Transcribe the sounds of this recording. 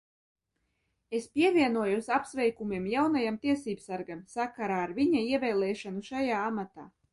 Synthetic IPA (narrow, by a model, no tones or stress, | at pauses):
espʲiɛvʲiɛnuɔjusʲapsvʲɛjkumʲiɛmjawnajamt̪iɛsiːbsaɾɡamsakaɾaːɾvʲiɲaiɛvʲɛːlˠɛːʃanuʃajaːamat̪aː